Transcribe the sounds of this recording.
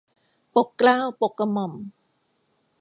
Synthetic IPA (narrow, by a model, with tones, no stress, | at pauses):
po˨˩kːlaː˥˩wpo˨˩kːa˧mɔ˨˩m